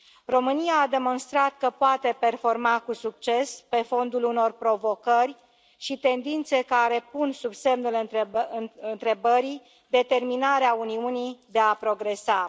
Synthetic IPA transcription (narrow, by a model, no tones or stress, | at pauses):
ro̞mɨnijaːd̪e̞mo̞nst̪ɾat̪̚kəpoat̪e̞pe̞rfo̞rmakusukt͡ʃe̞spe̞fo̞nd̪uluno̞rpɾo̞vo̞kərʲ | ʃit̪e̞nd̪int̪se̞kaɾe̞punsubse̞mnulɨnɨnt̪ɾe̞bəɾi | d̪e̞t̪e̞rminaɾeauniunijd̪e̞apɾo̞ɡɾe̞sa